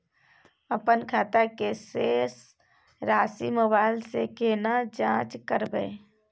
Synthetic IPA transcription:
əpənkʰaːt̪akeseːs | ɾaːsḭməbaːɪlsekeːnad͡ʒãːt͡ʃkəɾbə̰

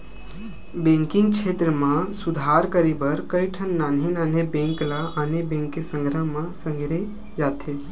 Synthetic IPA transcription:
bẽŋkɪ̃ŋɡ̚t͡ʃʰeːt̪ɾəmãsud̪ʱaɾkəɾebəɾkəiʈʰənːaːnɦenaːnebẽŋklaʔanebẽːŋkːesə̃ŋɡʱɾəɦmãsə̃ŋɡɾe | d͡ʒaːt̪e

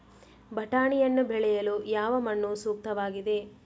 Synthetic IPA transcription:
bʱɐʈaːɳijɐnːubɛɭɛjɐlujaːʋɐmɐɳːusuːk̚t̪ɐʋaːɡid̪e̞

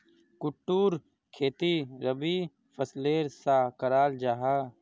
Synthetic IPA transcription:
kʊʈːuːɾ | kʰeːt̪iɾəbi | pʰəsleːɾsaːkəɾaːld͡ʒaːɦaː

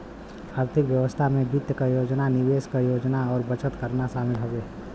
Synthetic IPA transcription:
aːɾt̪ʰɪkʋjəʋəst̪ʰamẽbɪt̪jəkajoːd͡ʒnanɪʋeːskajoːd͡ʒnaɔːɾbət͡ʃət̪kəɾnaʃaːmɪlɦoɡeː

